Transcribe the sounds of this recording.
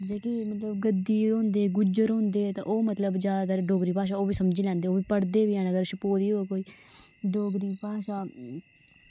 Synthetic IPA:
d͡ʒeːkimət̪ləbɡəd̪iːɦʊ̃nd̪eːɡʊd͡ʒəɾɦʊ̃nd̪eːt̪ã̰ːʔoːmət̪ləbd͡ʒjaːd̪aːt̪əːɾɖoːɡɾiːpaːʃ̬aːoːʋiːsəmd͡ʒiːlɛ̃ːnd̪eːoːʋiːpəɽd̪eːʋiːɦɛːnəɡəɾʃəpoːd̪iːoːkoːiːɖoːɡɾiːpaːʃaː

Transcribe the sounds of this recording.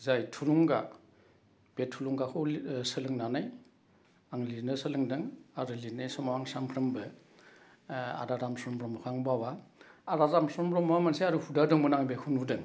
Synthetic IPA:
zajtʰuluŋɡa | b̥etʰːuluŋɡakʰɯsɯlɯŋnanaj | aŋlinɯsɯlɯŋdɯŋaɾɯlinajsɔmawaŋsaŋpʰɾɯmbɯ | a̰ɾaɾamsɔɾɔmbɾɔmɔkʰaŋbawaːɾaɾamsɔɾɔmbɾɔmwamanseaɾuhudadɯŋbɯnaŋbekʰunudɯŋ

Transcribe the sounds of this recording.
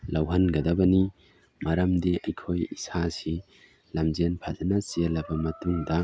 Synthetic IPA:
lɐwɦɐnɡɐdɐbɐni | mɐɾɐmdiʔɐjkʰojḭsasi | lɐmzenpʰazɐnɐsiɐlɐbɐmɐtuŋdɐ

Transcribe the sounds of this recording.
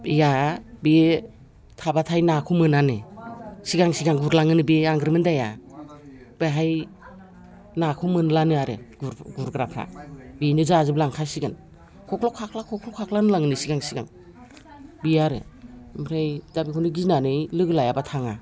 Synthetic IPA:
jabi | tʰabatʰajnakʰumɯnanɯsiɡaŋsiɡaŋɡuɾlaŋɯnɯbeaŋɡɾɯmɯndaja | b̥aɦaj | nakʰumɯnlanɯaɾɯ̰ɡuɾɡuɾɡɾapʰa̰benɯzazɯblaŋkʰasiɡɯn | kʰɔkʰlɔkʰakʰlakʰɔkʰlɔkʰakʰlanɯlaŋɯnɯsiɡaŋsiɡa̰ŋ | biaɾɯ̰mɾajdabikʰɔnɯɡiznanɯjlɯɡɯlajabatʰaŋa

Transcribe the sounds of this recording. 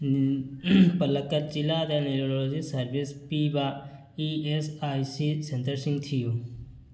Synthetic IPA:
pələkːəɾ̚t͡ʃilaːt̪jaːneɾoːɾolod͡ʒisəɾbispiːbaː | iːesaːjsisẽnt̪əɾsĩŋɡt̪ʰijuː

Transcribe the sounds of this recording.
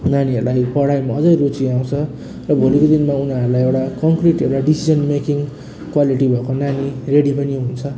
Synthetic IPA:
naniɦʌɾulajpʌɽajmaʌd͡zʌjrut͡siaw̃t͡sʰʌ | rʌbʱolikod̪inmaunaʌɾulajewʈakʌŋkriʈewʈaɖisid͡zʌnmekiŋ | kwaliʈibʱʌkonanireɽipʌniɦunt͡sʰʌ

